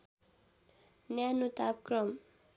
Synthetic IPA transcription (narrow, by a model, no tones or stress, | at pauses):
njanut̪ap̚krʌm